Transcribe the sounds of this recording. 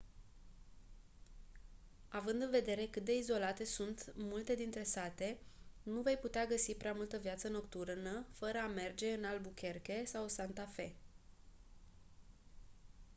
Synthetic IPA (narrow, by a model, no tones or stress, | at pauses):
avɨnd̪ɨnve̞d̪e̞ɾe̞kɨt̪̚d̪e̞izo̞lat̪e̞sunt̪mult̪e̞d̪int̪ɾe̞sat̪e̞nuve̞jput̪eaɡəsipɾeamult̪əvjat̪səno̞kt̪urnəfəɾəame̞rd͡ʒe̞ɨnalbukʲe̞rkʲe̞sawsant̪afe̞